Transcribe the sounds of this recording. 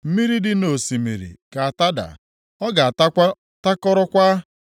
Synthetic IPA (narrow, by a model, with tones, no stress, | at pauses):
m̩˦mi˦ɾi˦dɪ˦no˨si˨mḭ˨ɾḭ˨ka˨a˨ta˦da̰˨ | ɔ˦ɡa˨a˨ta˦a˦ | ta˦kɔ˦ɾɔ˦kʷa˦